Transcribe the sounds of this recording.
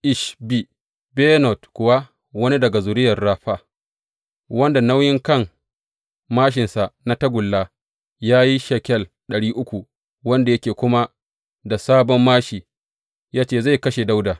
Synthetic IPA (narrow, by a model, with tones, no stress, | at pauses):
ʔɪ˦ʃbi˦ | bɛ˦nɔ˨tkʷʊ˨wa˦ | wɐ˦ni˦dɐ˨ɡa˨zʊ˨ɾɪ˦jɐ˨rːaː˦ɸaː˦ | wɐ˦nda˨na˦wjɪ˦ŋkɐ˦˨ŋ | maː˦ʃ̬ɪ˨nsa˨na˦tɐ˦ɡʷʊ˨lːaː˦ | jaː˦ji˦ʃɛ˨kʲɛ˦˨l | ɗɐ˨ɽiː˦ʔʊ˦kʷu˨ | wɐ˦nda˨jɐ˦kʲeː˨kʷʊ˦ma˦ | da˨saː˦bɔ˦mːaː˦ʃiː˨ | jaː˦t͡ʃeː˦˨za˦˨jkɐ˦ʃe˨da˦wdaː˨